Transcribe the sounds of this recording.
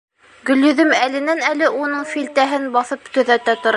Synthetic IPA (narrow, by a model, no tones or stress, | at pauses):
ɡɵ̆ljɵ̆ðɵmælɘ̆nænælɘʔunɤɴfilt̪æɦɘnbɑθɤpt̪ɵ̆ðæt̪æt̪ŏɾɑ